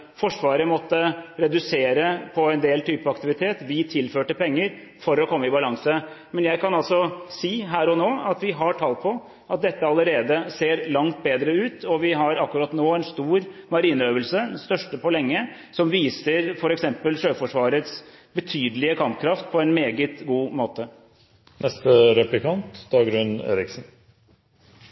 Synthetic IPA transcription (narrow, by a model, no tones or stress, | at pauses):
fɔʂʋɑːɾəmɔt̪ːəɾɛd̪ʉseːɾəpʰɔɛnd̪eːlt̪ʰyːpəɑkt̪ɪʋɪt̪ʰeːt̪ʋɪt̪ʰɪlføːʈəpʰɛŋːəɾ | fɔɾɔkʰɔmːəɪbɑlɑŋsə | mɛnjæɪkʰɑnɑlsɔsiːɦæːɾɔnoːɑt̪ʋɪɦɑʈʰɑːlt̪̚pʰɔ | ʔɑt̪̚d̪ɛt̪ːəɑləɾeːd̪əseːɾlɑŋt̪̚beːd̪ɾəʉːt̪ʰɔʋɪɦɑɾɑkːʉɾɑːt̪noːɛnst̪uːɾmɑɾiːnəøːʋəlsəst̪œʂʈəpʰɔlɛŋːə | sɔmʋiːsəɾfɔɾɛksɛmpəlʂøːfɔʂʋɑːɾət̪sbət̪ʰyːd̪əlɪəkʰɑmpkʰɾɑft̪̚pʰɔɛnmeːɡət̪ɡuːmoːt̪ə | nʔɛst̪əɾɛplɪkʰɑnt̪d̪̥ɑːɡɾʉnḛːɾɪksn